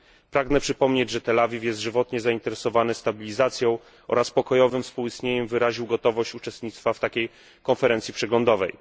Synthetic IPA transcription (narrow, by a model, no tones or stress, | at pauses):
pɾaɡnɛpʂɘpɔmɲed͡ʑʐɛt̪ɛlavʲifjɛst̪ʐɘvɔt̪ɲɛzaint̪ɛɾɛsɔvanɘst̪abʲilʲizat̪sʲjɔ̃w̃ | ʔɔ̰ɾaspɔkɔjɔvɘmfspuwist̪ɲeɲɛmvɘɾaʑiwɡɔt̪ɔvɔɕt͡ɕut͡ʂɛst̪ɲit̪st̪faft̪akʲej | kɔnfɛɾɛnsʲjipʂɛɡlɔnd̪ɔvɛ̰j